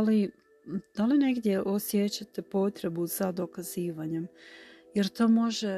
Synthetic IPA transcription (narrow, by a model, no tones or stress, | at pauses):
ali | d̪̥aline̞ɡd̪je̞ʔo̞sjet͡ɕat̪e̞po̞t̪ɾe̞buzad̪o̞kaziːʋaɲe̞mjeɾt̪o̞ːmo̞ʒe